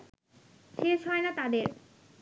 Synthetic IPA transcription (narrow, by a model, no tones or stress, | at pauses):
ʃeʃɦɔenat̪ad̪eɾ